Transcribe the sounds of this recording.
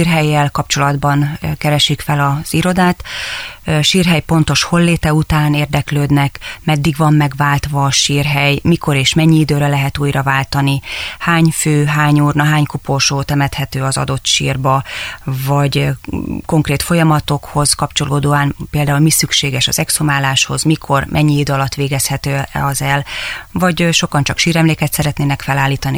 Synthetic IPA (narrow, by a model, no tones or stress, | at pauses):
irɦɛjːɛlkɒp̚t͡ʃo̞lɒd̪bɒnkɛɾɛʃikfɛlɒz̥iɾo̞d̪aːt̪ | ʃiːrɦɛjpo̞nt̪o̞ʃho̞lːeːt̪ɛut̪aːneːrd̪ɛkløːd̪nɛkmɛd̪ːiɡʋɒmːɛɡʋaːlt̪ʋɒːʃiːrɦɛjmiko̞ɾeːʃmɛɲːiid̪øːɾɛlɛɦɛt̪uːjrɒvaːlt̪ɒnihaːɲføːɦaːɲuːrnɒɦaːɲkuporʃoːt̪ɛmɛt̪hɛt̪øːɒzɒ̰d̪o̞t̪ʃḭːrbɒvɒɟ | ko̞ŋkreːt̪fo̞jɒmɒt̪o̞kho̞z̥kɒpt͡ʃo̞loːd̪oːaːnpeːld̪aːulmisykʃeːɡɛʃɒ̰z̥ɛksomaːlaːʃho̞̰zmikʰo̞rmʔɛɲːiid̪øɒlɒt̪ːʋeːɡɛshɛt̪øːɛɒzɛlvɒɟʃo̞kɒnt͡ʃɒkʃiːɾɛmleːkɛt̪sɛɾɛt̪neːnɛkfɛlaːlːiːt̪ɒni